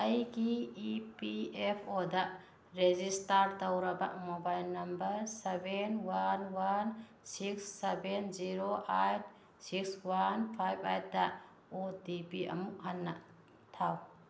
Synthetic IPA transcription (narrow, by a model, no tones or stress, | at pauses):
ɐjɡiipiepʰodɐ | ɾezistaɾtɐwɾɐbɐ̰mobajlnɐmbɐɾsebenwanwan | siksːebenziɾoʔajt̚ʰ | sikswanpʰajbʰajt̚dɐ | odipiɐ̰muk̚hɐnːɐ | tʰaw